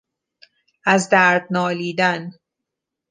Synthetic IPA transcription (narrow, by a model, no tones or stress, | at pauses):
ʔæzd̪æɾd̪̚nɒːliːd̪æn